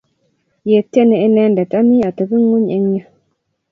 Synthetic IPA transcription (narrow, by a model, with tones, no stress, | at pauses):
je˨te˦nə˨e˦nɛ˦nda˨ta˦mi˦a˨tə˨bə˦ŋo˦ɲe˦ŋ˦jə˦